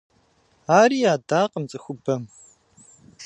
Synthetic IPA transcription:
aːriːjaːdaːqʼəmt͡sʼɨxʷʊbɐm

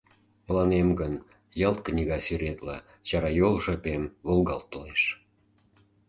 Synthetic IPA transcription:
pəlɑnemɡən | jɑlt̪̚knʲiɣɑsyɾet̪lɑ | t͡ɕɑɾɑjolʒɤ̆pemβolˠɣɑlt̪ːoleʃ

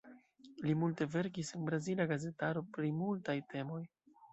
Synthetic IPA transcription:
limulte̞ve̞ɾkisenbɾazilaɡaze̞taɾo̞pɾimultajtʰe̞mo̞j

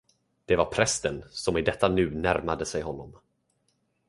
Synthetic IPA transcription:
d̪̥ɛvaɾpʰɾɛst̪ənsɔmɪd̪ɛt̪ːanʉ̟ːnæɾmad̪əsɛjɦɔnːɔm

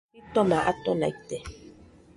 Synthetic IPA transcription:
itɔmaʔat̪ɔna̰it̪ɛ

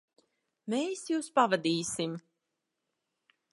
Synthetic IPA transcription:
meːsjuːspavad̪iːsim

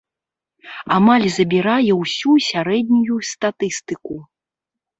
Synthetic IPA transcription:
amalʲzɐbʲiɾajɛwsʲusʲaɾɛd̪̚ʲnʲujust̪at̪ɨst̪ɨku

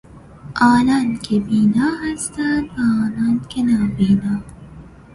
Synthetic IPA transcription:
ʔɑːnɑːnkʰebiːnɑːɦæst̪æːnd̪ʋaɑːnɑːnkʰenaːbiːnɑː

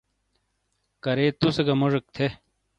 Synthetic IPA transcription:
kɐɾeːt̪usɐɡɐmoʐɐk̚t̪ʰe

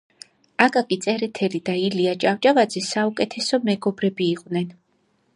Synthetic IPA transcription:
aɡʼakʼit̪sʼɛɾɛt̪ʰɛlid̪ailiat͡ʃʼavt͡ʃʼavad̪zɛsaukʼɛt̪ʰɛsɔmɛɡɔbɾɛbiːqʼwvnɛn

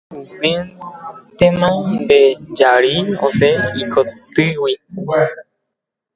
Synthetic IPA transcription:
upĩ | t̪ẽmãnd̪ed͡ʒaɾiõ̰seikʰot̪ɨwi

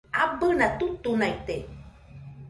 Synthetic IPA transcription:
abənat̪ut̪unait̪e

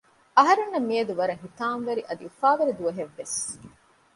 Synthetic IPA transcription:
ɐɦɐɾenːɐmːiɐd̪uʋɐɾɐɦit̪aːnʋɐɾiʔɐd̪iufaːʋɐɾid̪uɐɦeʋːes

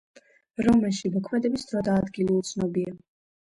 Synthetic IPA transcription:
ɾɔmɛlˠʃimɔkʰmɛd̪ɛbisd̪ɾɔd̪aːd̪ɡiliut̪sʰnɔbia

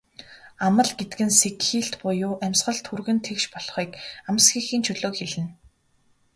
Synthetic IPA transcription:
amə̆ɮɡet̪ɘ̆kɘ̆nsekxiːɬt̪pʊjʊːʔæmʲsɢə̆ɮt̪ʰxurɣɘ̆nt̪ʰekʃpɔɮ̥χiːkam̆sɡiːxiːnt͡ɕʰɵɮoːkxeɮɘ̆n

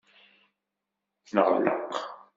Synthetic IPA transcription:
θnəʁəlːə̰q

